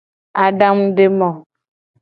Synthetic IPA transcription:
a˨ɖa˦m˦ɖe˦mɔ˨

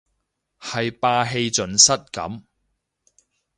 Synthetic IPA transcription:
hɐ˨jpaː˧ɦe˧jt͡sɵ˨˧nsɐ˥t̚kɐ̰˨˥m

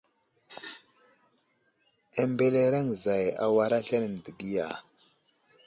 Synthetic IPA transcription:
e˨mbe˦le˦ɾa˦ŋza˨ja̰˨wa˨ɾa˦ɬa˦ni˨n˨di˨ɡi˦ja̰˨

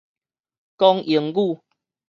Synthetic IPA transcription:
kɔ˦ŋi˨˦ŋɡu˥˧˨

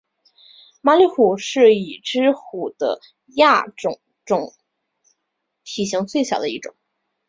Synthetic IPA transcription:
ma˥li˥xu˨˩ʂɻ̩˥˩i˨˩ʈ͡ʂɻ̩˥xu˨˩d̪̥ə̰˦ | ja˥˩ʈ͡ʂʊ˨˩ŋ | ʈ͡ʂʊ˨˧˥ŋ | t̪ʰi˨˩ɕi˧˥ŋt͡swe˥˩ɪɕjɑ˨˩ʊd̪ə˦i˥˩ʈ͡ʂʊ̰˨˩˦ŋ

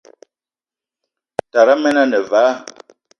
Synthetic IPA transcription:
ta˨ɾa˦mɛ˦na˦nə˨vaː˨˦

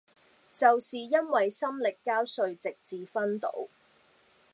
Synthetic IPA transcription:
t͡sɐ˨wsiː˨jɐ˥nwɐ˨jsɐ˥mlɪ˨kːaː˥wsɵ˨˧ɥt͡sɪ˨k̚t͡siː˨fɐ˥nt̪o̰˨˥w

